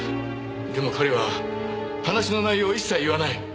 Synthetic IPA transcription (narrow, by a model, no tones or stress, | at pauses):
d̪e̞mo̞kʰoɾe̞βa | hanaɕino̞naijo̞ːisːaiiβanai